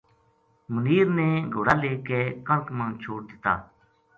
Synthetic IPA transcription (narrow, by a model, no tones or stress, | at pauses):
məniːɾnẽːɡʱʊːɽaːleːkeːkəlkmãːnt͡ʃʰoːɽd̪ɪt̪a̰ː